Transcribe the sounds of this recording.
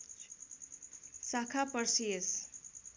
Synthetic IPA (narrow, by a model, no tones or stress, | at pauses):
sakʰapʌɾsies